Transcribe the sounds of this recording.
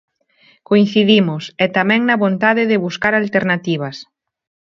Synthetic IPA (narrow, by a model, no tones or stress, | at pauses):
koin̟θiðimʊsɛt̪amɛ̃ŋnɐβont̪aðɪðɪβuskaɾalt̪eɾnat̪iβ̞ɐs